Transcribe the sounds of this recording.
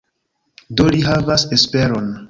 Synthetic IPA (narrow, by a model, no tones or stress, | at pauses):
doliɦavasespe̞ɾon